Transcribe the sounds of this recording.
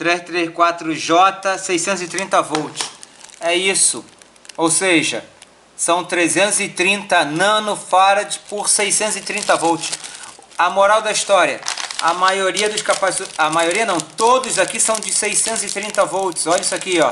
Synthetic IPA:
t̪ɾeʃt̪ɾeskwat̪ɾʊʒɔt̪ɐsejsẽt̪ʊzɪt̪ɾĩnt̪ɐvɔwt͡ʃɪ̥sɛisʊ | owseʒɐ | sɐ̃w̃t̪ɾezẽnt̪ʊzɪt̪ɾĩnt̪ɐnɐ̃nʊfaɾɐd͡ʒɪ̥pʊɾsejsẽnt̪ʊzɪt̪ɾĩnt̪ɐvɔwt͡ʃɪ̥sɐmoɾawd̪ɐist̪ɔɾiɐ̰ɐmajoɾiɐd̪ʊʃkapazɐmajoɾiɐnɐ̃w̃t̪od̪ʊzakisɐ̃w̃d͡ʒɪsejsẽnt̪ʊzɪt̪ɾĩnt̪ɐvɔwt͡ʃɪ̥sɔʎɐisakiɔ

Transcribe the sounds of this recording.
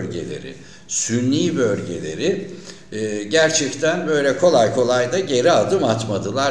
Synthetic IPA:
lʲɟe̞̰lʲe̞̰ɾḭ | synːʲiːbølʲɟe̞̰lʲe̞̰ɾɪ | ɟæɾt͡ʃʰɛct̪ʰænbø̞jlʲɛkʰo̞lˠajkʰo̞lˠajd̪aɟe̞ɾiad̪ɯmat̪mad̪ɯlˠa

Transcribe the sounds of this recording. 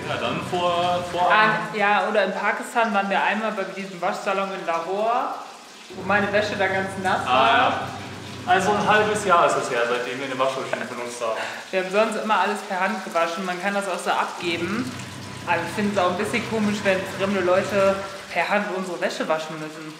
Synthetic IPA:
jaːdanfoːɐfoːɐʔajaːʔoːɾɐɪnpʰaːkɪstʰaːnvaːʁnviːɐʔaɪnmaːlbaɪdiːzən̩vaʃz̥alɔŋɪmlaboːɐ | voːmaɪnəvɛʃədaːɡant͡snasaːa | ʔalzonɦalbəsjaːɪsd̥asheːɐzaɪdeːmiɐnəvaʃvɛʃɪfɔnʊnsd̥aː | viːɐhabm̩zɔnstʔɪmɐʔaləspʰɛɐhant̚ɡ̥əvaʃn̩mankʰandasaʊxz̥oːʔapɡ̥eːbm̩ | ʔazɪçfɪndəs̬aʊxn̩bɪsçənkʰoːmɪʃv̥ɛnsɡ̥ʁɪmləlɔʏtʰə | pʰɛɐɦantʔʊnzəʁəvɛʃəvaʃn̩mʏsn̩

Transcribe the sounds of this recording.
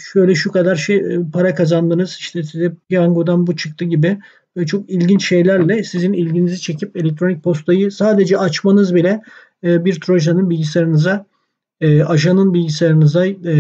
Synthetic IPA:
ʃø̞jlʲɛʃukad̪aɾʃejpʰaɾakʰazand̪ɯnɯz̥iʃt̪ʰɛsizɛpijaŋɡod̪anbut͡ʃʰɯ̥k̚t̪ʰɯɟibɪ | ɛt͡ʃʰo̞kilʲɟint͡ʃʃe̞jlʲæɾlʲɛsizinilʲɟinizit͡ʃʰe̞cʰipe̞lʲec̚t̪ʰɾo̞nic̚pʰo̞st̪ʰajɯsaːd̪ed͡ʒɛat͡ʃmanɯzbilʲɛː | biɾt̪ʰɾo̞ʒanɯnbilʲɟisaɾɯnɯza | ɛʔaʒanɯnbilʲɟisaɾɯnɯza

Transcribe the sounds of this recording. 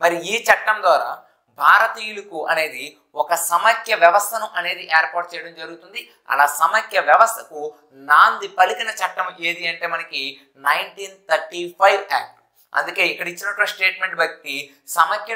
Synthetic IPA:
mɐɾiiːt͡ʃɐʈːɐmd̪ʋaːɾa̰ː | bʱaːɾɐt̪iːjulukuʔɐne̞ːd̪i | ɔkɐsɐmɐkʰjɐʋjɐʋɐst̪ʰɐnuʔɐne̞ːd̪iʔeːɐɾpaːɾʈ̚t͡ʃɛjɐɽɐmd͡ʒɐɾuɡut̪und̪i | ɐ̰laːsɐmɐkʰjɐʋjɐʋɐst̪ʰɐ̥ku | naːnd̪ipɐlikinɐt͡ʃɐʈːɐmʔe̞ːd̪iɐɳʈe̞ːmɐnɐki | nɐjɳʈiːnt̪ʰɐɾʈipʰɐjʋɛ̰ːk̚ʈ | ɐ̰nd̪uke̞ːikːɐɽɐit͡ʃːinɐʈːɐʋaːsʈe̞ːʈme̞ɳʈ̚bɐk̚t̪ːi | sɐmɐkjɐ

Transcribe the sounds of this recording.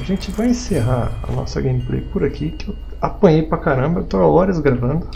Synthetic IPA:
aʒẽt͡ʃɪvajẽseɦaɐ̰nɔ̰sɐ̰ɡẽmɪplḛjpʊɾakʰikɪew | apɐ̃j̃ejpɾɐkaɾɐ̃mbɐewt̪oaɔɾɐzɡɾavɐ̃nd̪ʊ

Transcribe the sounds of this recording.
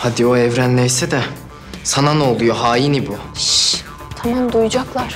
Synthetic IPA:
had̪ioɛvɾænlʲɛjsɛd̪ɛ | sanano̞lˠujoɦaːjinibuʃ | t̪ʰamamd̪ujd͡ʒaklˠaɾ̥

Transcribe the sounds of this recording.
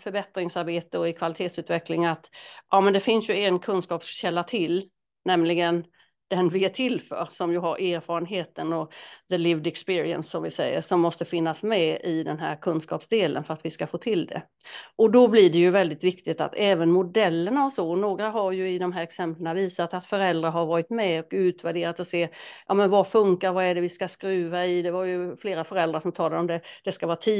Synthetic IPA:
fœɾbɛt̪ɾɪŋsaɾbeːt̪əɔɪkʰvalɪt̪ʰeːt̪sʉ̟ːt̪vɛklɪŋat̪ʔɑːmɛnd̪ɛfɪnsjɵɛnkʰɵnskɑːpsɕɛlːat̪ʰɪl | nɛmlɪɡən | d̪̥ɛnvɪæʈʰɪlːfœ̰ːɾʂɔmjɵɦaɾʔeːɾfɑːɾənɦeːt̪ənɔðəlɪvd̪ɛkspɪːɾɪə̰nsːɔmvɪsɛ̰jːə̰ɾʂɔmːɔst̪əfɪnːasmɛɪd̪ɛnɦæ̰ːɾkʰɵnskɑ̰ːpsd̪eːlə̰nfœɾat̪vɪskafoːt̪ʰɪld̪ɛ̰ | ʔɔd̪ɔblɪɖɛjɵvɛld̪ɪt̪vɪkt̪ɪɡt̪a̰t̪ɛːvənmʊd̪ɛlːənasɔnoːɡɾaɦaɾjɵɪd̪ɔmɦæːɾɛksɛmplənaviːsat̪at̪fœɾɛld̪ɾaɾɦaɾvɑːɾɪt̪mɛɔkʉ̟ːt̪væɖeːɾat̪ɔseːjʔɑ̰ːmɛnvafɵŋkaɾvaɛɖɛvɪskaskɾʉ̟ːvaɪd̪ɛvaɾjɵfleːɾafœɾɛld̪ɾaʂɔmt̪ʰɑːlaɔmd̪ɛd̪̥ɛskavɑːɾt̪ʰiː

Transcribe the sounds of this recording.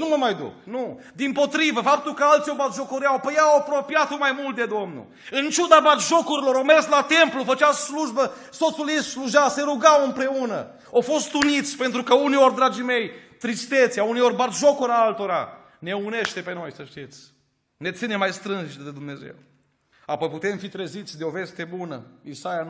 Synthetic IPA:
numəmajd̪ṵknu | d̪impo̞t̪ɾivəfap̚t̪ulkəalt̪sijobat̪ʒokoɾiawpəjawapɾopijat̪umajmult̪̚d̪ed̪omnṵ | ɨnt͡ʃud̪abat̪ʒokuɾiloɾowmerslat̪emplufət͡ʃawsluʒbə | sot̪sulist̪sluʒawseɾuɡawɨmpɾe̞unə̰ | awfo̞st̪unit̪sʲpe̞nt̪ɾukəunio̞rd̪ɾad͡ʒijme̞jt̪ɾist̪et̪seaunejo̞rʲbat̪ʒokoɾaalt̪o̞ɾa̰ | ne̞une̞ʃt̪e̞pe̞no̞jsəʃt̪it̪sʲ | ne̞t̪sinemajst̪ɾɨnʒt̪d̪ed̪umne̞zḛw | apo̞jput̪e̞mfit̪ɾezit̪sʲd̪eo̞ve̞st̪e̞bunə̰isaja

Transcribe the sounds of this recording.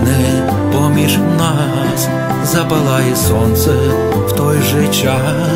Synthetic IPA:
nɛ | pɔmʲiʐ | nɐɦɦas | zɐpɐlˠajɛsɔnt̪sɛ | wt̪ɔjʐɛt͡ʃa

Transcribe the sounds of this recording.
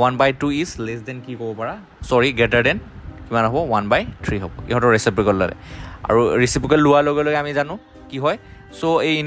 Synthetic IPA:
wanbajtuislɛsdɛnkikɔbɔpaɹa | sɔɹiɡɛtaɹdɛnkimanɦɔbɔwanbajtʰɹiɦɔbɔ̰iɦɔ̃tɔɹɛsipɹikɔlːa̰lɛ̰a̰ɹuɹisipikɔlːʊwaloɡɔloɡɛamizanʊ̃ | kiɦɔj | soejin

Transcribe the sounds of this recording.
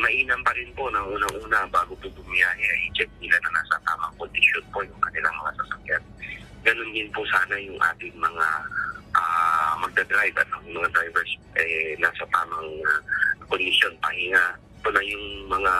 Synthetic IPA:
mɐʔiːnɐmpɐɾɪnpo̞nɐŋʔuːnɐŋʔuːnɐbaːɡopʊbʊmɪjaːɦɛʔɐjt͡ʃɛk̚nɪlanɐnaːsɐt̪aːmɐŋkond̪ɪʃjonpo̞jʊŋkɐnɪlaŋmɐŋasɐsɐkjan | ɡɐno̞nd̪ɪnpʊsaːnɐjʊŋʔa̰ːt̪ɪŋmɐŋaʔamɐɡ̚d̪ɐd̪ɾajbɐ̰noɪŋmɐŋad̪ɾajvɛɹsʔɛnaːsɐt̪aːmɐŋ | kond̪ɪsjo̞npɐhɪŋaʔ | t̪onɐjʊŋmɐŋa

